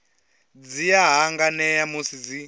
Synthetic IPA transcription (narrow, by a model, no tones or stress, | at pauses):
d͡zijaɦaŋɡanɛjamusid͡zi